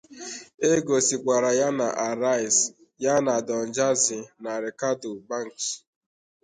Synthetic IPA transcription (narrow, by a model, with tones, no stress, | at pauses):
e˦ɡo˨si˨kʷa˨ɾa˨ja˦na˨ʔa˨ɾa˦i˨s | ja˦na˨dɔ˨n̩˨d͡ʒa˦zɪ˨na˨ɾe˨ka˦do˨ba˦˨ŋ̩˨k